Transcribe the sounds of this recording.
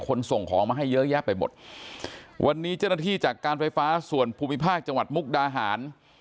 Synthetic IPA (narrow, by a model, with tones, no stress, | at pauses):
kʰo˧nso˨˩ŋkʰɔː˩˦ŋmaː˧˩ɦa˥˩jːɤ˦˥ja˦˥˩pːa˧jmo˨˩t̪̚ | wʔa˧nːiː˦˥t͡ɕa˥˩na˥˩iː˥˩t͡ɕaː˨˩kːaː˧nfa˧jfaː˦˥su˨˩ənpʰuː˧mi˦˥pʰaː˥˩k̚t͡ɕa˧ŋwa˨˩t̪̚mu˦˥k̚daː˧ɦaː˩˦n